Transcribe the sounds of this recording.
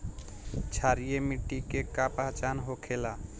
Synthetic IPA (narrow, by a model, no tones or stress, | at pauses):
t͡ʃʰaɾijemiʈːikekapaɦt͡ʃanɦokʰela